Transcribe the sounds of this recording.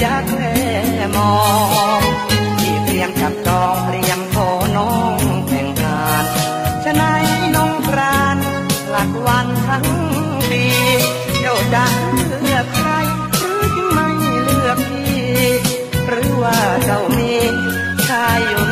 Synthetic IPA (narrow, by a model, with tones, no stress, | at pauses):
jaː˧˩k̚lɛː˧˩˧ | mɔː˧ŋ | t̪ʰiː˧˩pɾi˧əmka˨˩p̚t͡ɕɔː˧ŋpɾi˧əmkʰɔː˧˩nɔ˧˥˩ŋt̪ʰɛː˨˩ŋkʰaː˧˩n | t͡ɕʰa˧na˦˥nnɔ˧˥ŋkɾaː˧n | la˨˩k̚wa˧nt̪ʰa˧˥ŋ | diː˧ | joː˧˩da˧˥ŋɯɯ˧˩ək̚ʰɾa˧j | ɾɯː˦˥t̪ʰi˧ŋma˧˩jlɯ˧˩ək̚t̪ʰiː˧˩ | ɾɯː˨˦˥waː˧˩sa˧˩wmiː˧˥ | kʰaː˧˩ju˨˧˩